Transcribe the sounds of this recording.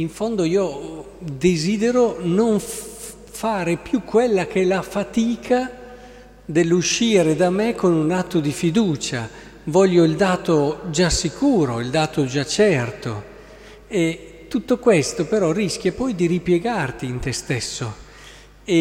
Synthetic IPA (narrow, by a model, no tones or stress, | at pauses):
iɱfond̪oiːo | d̪eziːd̪eɾonoɱ | faːɾepjukʰːwelːakɛlafat̪iːkʰa | d̪elːuʃːiːɾed̪amekʰːonunat̪ːod̪ifid̪uːt͡ʃa | vɔʎːoild̪aːt̪od͡ʒasːikʰuːɾoild̪aːt̪od͡ʒat͡ʃːɛrt̪o̰ | et̪ːut̪ːokwest̪opeɾɔrisk̟ʲjapɔjd̪iɾipjeɡart̪iːnt̪est̪ɛsːo | e